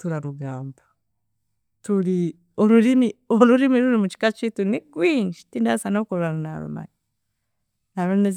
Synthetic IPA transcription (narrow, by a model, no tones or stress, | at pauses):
tuɾaɾuɡaːmba | tuli | oɾuɾimioluɾimiɾuɾimut͡ʃi̥kat͡ʃitunikwind͡ʒi̥tindasanokoɾaɾana̰ɾṵma̰ɲi | naɾonez